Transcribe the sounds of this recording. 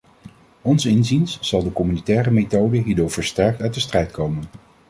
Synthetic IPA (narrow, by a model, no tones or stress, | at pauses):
ɔnsɪnzinsz̥ɑlˠdəkɔmynitɛːrəmetowdəɦiːɹdʊːɹv̥əɹstɛɹk̚tœɥt̚dəstrɛjtkowmən